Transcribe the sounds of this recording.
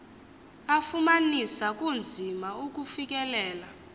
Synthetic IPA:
afumanisak̬ʼund͡zʱimauk̬ufik̬ʼɛlɛːla

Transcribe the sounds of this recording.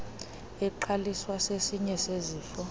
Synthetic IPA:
ɛǃaliswasesiɲɛseziːfɔ

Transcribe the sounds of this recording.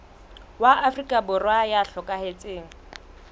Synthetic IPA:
waʔafrikʼabʊrwajaɬɔkʼahet͡sʼeːŋ̩

